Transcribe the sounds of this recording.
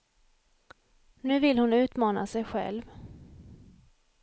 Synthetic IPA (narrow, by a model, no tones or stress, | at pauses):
nʉ̟ːvɪlhʊnʉ̟ːt̪mɑːna̰sɛjɧɛ̰lv